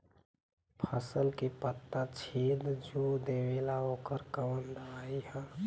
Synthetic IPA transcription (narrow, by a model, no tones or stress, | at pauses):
pʰəsəlkepət̪ːat͡ʃʰed̪d͡ʒod̪ewelaokəɾkəmənd̪əaiɦə̃